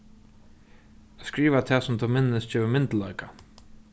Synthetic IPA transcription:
ɛskɾiːʋat̪ʰɛːsʊmt̪ʰʊmɪnːɪst͡ɕɛːvɪmɪnt̪lœɥka

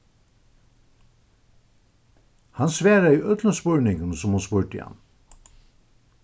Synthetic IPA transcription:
hɑnsʋæːɾəiːʔœd̪ləspɔɹɳɪŋən̩sʊmhʊnspuːɹʈɪ̰ɑ̰n

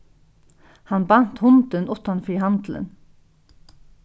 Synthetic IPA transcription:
hɑnbɑn̥t̪hʊnd̪ənʔʊt̪ɑnfɾihɑnd̪̥l̩ə̰n

